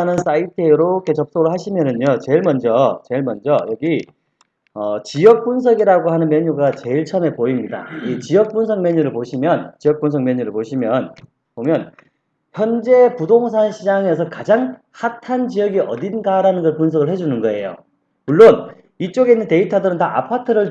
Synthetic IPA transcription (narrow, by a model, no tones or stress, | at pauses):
nɯns͈aitʰeɾok͈et͡ɕʌp̚s͈ʌɡɯɭhaɕʰimjʌnɯɲot͡ɕe̞ɭmʌnd͡ʑʌt͡ɕe̞ɭmʌnd͡ʑʌjʌɡi | ʌt͡ɕijʌk̚p͈uns̬ʰʌɡiɾaɡoɦanɯnmjʌɲuɡat͡ɕe̞iɭt͡ɕʰʌne̞poimɲida̰it͡ɕijʌk̚p͈unsʰʌŋmjʌɲuɾɯɭpoɕʰimjʌnt͡ɕijʌk̚p͈uns̬ʰʌŋmjʌɲuɾɯɭpoɕʰimjʌn | pomjʌn | çjʌnd͡ʑe̞pudoŋs̬ʰaɕʰid͡ʑaŋe̞s̬ʰʌkad͡ʑaŋ | hatʰant͡ɕijʌɡiʔʌdinɡaɾanɯnɡʌɭpuns̬ʰʌɡɯɭhɦe̞d͡ʑunɯnɡʌe̞jo̰ | muɭːon | it͡ɕ͈oɡeinːɯnte̞itʰadɯɾɯntaʔa̰pʰatʰɯɾɯɭ